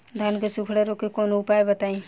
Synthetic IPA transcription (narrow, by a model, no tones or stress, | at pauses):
d̪ʱankesukʰɽeɾokekoːnoʊpaːebət̪aːĩ